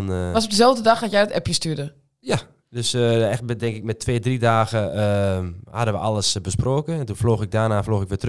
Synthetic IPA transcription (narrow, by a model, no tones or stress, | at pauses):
nʋasɔp̚dəzɛlˠvdədɑxhajɛjdətɛpjəstyədə | ja | døsɛxtmdɛŋkɪk̚mɛtʰːʋeːdridaːɣəəha̰dəʋəʔalˠəsbəsproːkəɛntunfloːxɪk̚daːnaːfloːxɪkʋɪtr